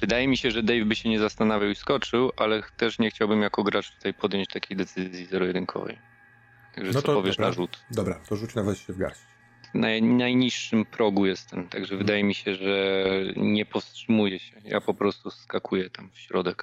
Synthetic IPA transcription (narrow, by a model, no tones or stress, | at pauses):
vɨd̪ajɛmʲiɕɛʐɛd̪ɛjvbɘɕɛɲɛzast̪anavʲjawiskɔt͡ʂɘwʔalɛt̪ɛʂɲɛxt͡ɕawbɘmjakɔɡɾat͡ʂt̪u̥t̪ajpɔd̪jɔɲt͡ɕt̪akʲʰejd̪ɛt̪sɘzzʲjizɛɾɔjɛd̪ɘŋkʰɔ̰vɛ̰j | t̪aɡʐɛsɔpɔvʲjɛʂnaʐut̪d̪ɔbɾat̪ɔʐut͡ʂnavɛt̪ɕɛvɡa̰ɾɕi̥t͡ɕ | vnajnajɲiʂːɘmpɾɔɡujɛst̪ɛmt̪aɡʐɛvɘd̪ajɛmʲiɕɛʐɛɲɛpɔfstʂɘmujɛɕɛja̰pɔpɾɔst̪uskakʰujɛt̪amfɕɾɔd̪ɛk